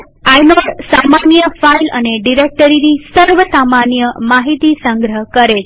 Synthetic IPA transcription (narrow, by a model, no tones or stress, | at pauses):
ajnɔɽsamanjəfailə̰neɖiɾek̚ʈəɾinisəɾʋəsamanjəmaɦit̪isəŋɡɾəɦkəɾet͡ʃ